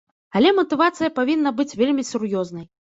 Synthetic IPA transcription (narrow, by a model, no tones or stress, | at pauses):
ɐlʲɛmɐt̪ɨvat̪sɨjɐpavʲinːɐbɨt͡sʲvʲelʲmʲisʲurjɔznɐj